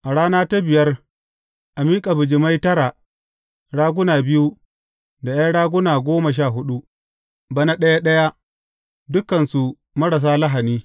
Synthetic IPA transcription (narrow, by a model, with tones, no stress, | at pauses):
ʔa˨ɽaː˦naː˦ta˦bɪ˨jɐ˦r | ʔa˨miː˦kʼa˨bʊ˨d͡ʒɪ˨ma˦jtɐ˦ɽa˨ | ɽaː˦ɡʷʊ˦naː˨bɪ˦ju˦ | da˨ja˦ɽaː˦ɡʷʊ˦naː˨ɡʷoː˦ma˨ʃ̬aː˦˨ɦʊ˦ɗu˦ | ba˦na˦ɗɐ˦ja˦ɗɐ˦ja˦ | dʊ˦kːɐ˨nsu˨ | mɐ˦ɽɐ˨s̬aː˦la˦ɦa˨niː˦